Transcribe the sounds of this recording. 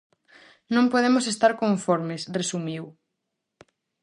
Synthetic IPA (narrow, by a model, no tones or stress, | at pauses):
nõmpoð̞emosest̪aɾkõɱfɔɾmesresumiw